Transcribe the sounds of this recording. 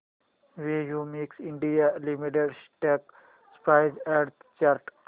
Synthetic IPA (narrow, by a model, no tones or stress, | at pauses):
ʋeːjuːmiksɪ̃ɳɖijalimiʈeɖsʈek | spaɪzɛɖt̪ʰt͡ʃaɾʈ